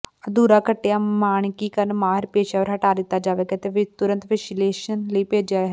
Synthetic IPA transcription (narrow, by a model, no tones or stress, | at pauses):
əd̪uːɾaːkəʈːejaːmaːɳ̃kiːkəɾnmaːɦɪɾpeːʃaːəɾɦəʈaːd̪ɪt̪ːaːd͡ʒaːʋeːkət̪eʋɪt̪ʊɾə̃nt̪ʋeʃleːʃənləiːpeːd͡ʒaːɦɛ